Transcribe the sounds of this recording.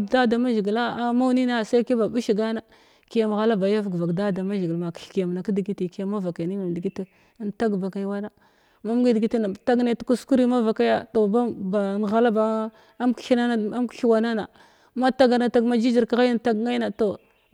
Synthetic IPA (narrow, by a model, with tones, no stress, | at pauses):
da˦da˨ma˦ʒi˨ɡi˨la˦a˦ma˦wni˦na˦˨sa˦jki˦ba˨bu˦ʃi˨ɡa˦na˨ | ki˨ja˨m˨ɣa˦la˦ba˨ja˦vɡva˨kda˦˨da˨ma˦ʒɡi˨lma˨kɬki˨ja˨m˨na˨ki˦di˨ɡi˦ti˨ki˨˦a˦˨ma˦va˨ka˨ni˦ma˨m˨di˨ɡi˦ti˦ | nta˦ɡba˨ka˨jwa˦na˦ | ma˦m˦ɡi˦dɡi˦ti˦na˨ta˦ɡne˦tu˦ku˦sku˦ɾi˦ma˦va˨ka˦ja˦to˨ba˦ba˨m˨ɣa˨la˦ba˨˦ | m˦kɬi˦na˦na˨˦m˦kɬi˦wa˨na˦na˨ | ma˦ta˦ɡa˨na˨ta˦ɡma˦d͡ʒi˦d͡ʒi˨ɾka˨ɣa˦jn˨ta˦ɡŋa˦i˦na˨to˨